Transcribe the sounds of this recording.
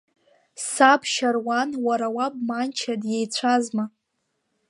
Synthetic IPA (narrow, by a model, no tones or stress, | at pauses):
sapʰʃarwanwaɾawab̚mant͡ʃʰadjejt͡ɕʷʰazma